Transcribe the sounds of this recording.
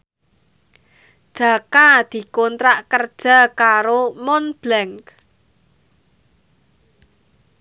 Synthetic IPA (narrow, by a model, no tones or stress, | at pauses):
d̥ʒ̥a̤kad̪̥i̤kɔnt̪ɾaʔkərd̥ʒ̥a̤kaɾomɔnb̥lɛŋk